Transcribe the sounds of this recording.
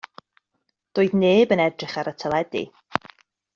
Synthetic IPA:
d̥ʊːɨðneːbənɛdrɪχaɾətʰəlˠɛdḭ

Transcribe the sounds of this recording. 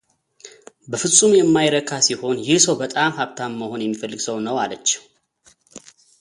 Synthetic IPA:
bəfɨsʼumjɛmːajɾəkʰasiho̞njɪhsəwbət̪ʼamhaβt̪ʰamːəho̞njɛmːifəlːɨɡsəwnəwalət͡ʃːɪ̥m

